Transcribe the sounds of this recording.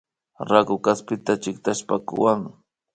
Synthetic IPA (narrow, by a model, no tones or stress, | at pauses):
ɾakʊkaspɪt̪at͡ʃɪkt̪aʃpakʊ̰waŋ